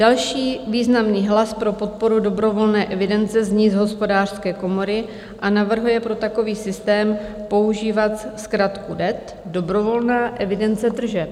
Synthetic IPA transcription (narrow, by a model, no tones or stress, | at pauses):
d̥alʃiːviːznamniːɦlaspɾo̞po̞t̪̚po̞ɾudo̞bɾo̞vo̞lnɛːʔɛvɪdɛnt͡sɛzɲiːzɦo̞spo̞daːr̥skɛːko̞mo̞ɾɪ | ʔanavr̩ɦujɛpɾo̞t̪ako̞viːsɪst̪ɛːmpo̞uʒiːvat̪skɾat̪kudɛt̪ | do̞bɾo̞vo̞lnaːʔɛvɪdɛnt͡sɛd̪r̩ʒɛ